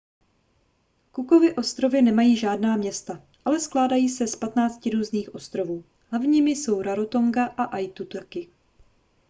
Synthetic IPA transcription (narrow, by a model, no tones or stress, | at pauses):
kuko̞vɪʔo̞st̪ɾo̞vɪnɛmajiːʒaːdnaːmɲɛst̪a | ʔalɛsklaːdajiːsɛspat̪naːt͡scɪɾuːzniːxʔo̞st̪ɾo̞vuː | ɦlavɲiːmɪso̞wɾaɾo̞t̪o̞ŋɡaʔaʔajt̪ut̪okɪ